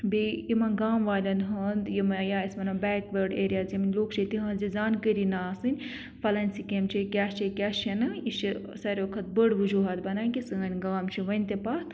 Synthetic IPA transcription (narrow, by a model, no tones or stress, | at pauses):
bijimɐnɡaːmʋaːlʲɐnɦɐnd̪jimɐjaːismɐnɐbɛːkbəɾɖeːɾijaːziminʲloːkʰt͡ʃit̪iɦɐ̃ːnzizaːnkəɾinaːsɨnʲ | fʰɐlɐnʲsikemt͡ʃʰikʲaːt͡ʃikʲaːʃɐnɐiʃi | sɐɾʲkʰɐt̪̚bəɽʋɨd͡ʒuɦat̪bɐnaːkʲisɨɐnʲɡaːmt͡ʃʰiʋɐnʲt̪epaːt̪